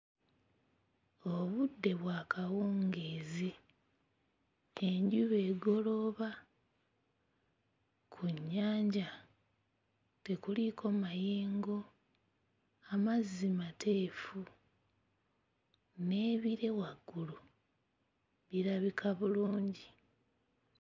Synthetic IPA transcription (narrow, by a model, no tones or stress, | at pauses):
o̞βudːe̞βwaːkʰawoːŋɡeːzi | eɲɟuβe̞ːɡo̞lo̞βa | kʰuɲːaːɲɟa | te̞kulikʰo̞majeːŋɡo̞ | amazːimatʰe̞ːfu | ne̞ːβiɾe̞waɡːulu | βiɾaβikʰaβuluːɲɟi